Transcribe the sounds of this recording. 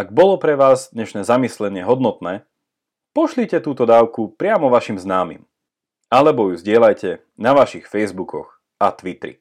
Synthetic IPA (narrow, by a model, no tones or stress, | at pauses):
aɡ̚bɔlɔpɾɛʋaːzd̪ɲɛʃnɛːzamislɛɲɪɛɦɔd̪nɔt̪nɛː | pɔʃlicɛt̪uːt̪ɔd̪aːʊkupɾɪamɔʋaʃimznaːmḭm | alɛbɔjuzɟɪɛlajcɛ | naʋaʃixfɛjzbukʰɔ̰x | at̪ʋit̪ɾḭ